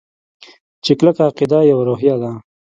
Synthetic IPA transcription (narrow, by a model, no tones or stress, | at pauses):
t͡ʃekləkaːqid̪ajawaɾoɦjad̪a